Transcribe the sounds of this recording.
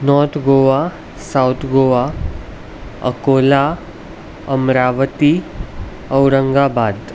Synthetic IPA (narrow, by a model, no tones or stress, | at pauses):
nɔːɾt̪ʰɡoʋa | sawt̪ʰɡoːʋa | ə̰koːla | əmɾaːʋət̪i | əwɾəŋɡabaːd̪